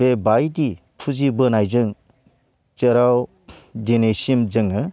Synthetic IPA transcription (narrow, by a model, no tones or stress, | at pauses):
bebajdi | pʰuzibɯnajzɯŋ | t͡ʃɯɾaw | denesimzɯŋɯ